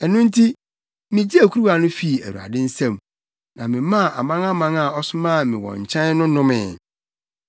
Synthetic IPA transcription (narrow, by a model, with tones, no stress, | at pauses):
ɛ˨nʊ̃˦n̩˦tʰi˦ | mɪ̃˨d͡ʑi˦æ˨kʰu˦u˦wa˨nʊ̃˦fi˦˨æ̰˨ɾu˨a̰˨dɪ˦n̩˦sã˦˨m | nã̰˨mɪ̃˨mã˦˨ʔa̰˨mã˦ŋã˦mã˦ŋa˨ɔ˦sʊ˦mã˦˨mɪ̃˨wɔ̰̃˨ɲ̩˨t͡ɕʰɛ̃˦n˦nʊ̃˦nʊ̃˦mɪ̰̃˨